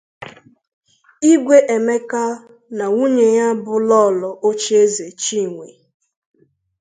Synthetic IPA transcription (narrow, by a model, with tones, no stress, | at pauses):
i˦ɡʷe˦ʔe˨me˦ka˦ | na˨wu˦ɲe˨ja˦bʊ˦lɔ˦˨lɔ˨ʔo˦t͡ʃe˦ze˨t͡ʃi˦˨ŋʷe˨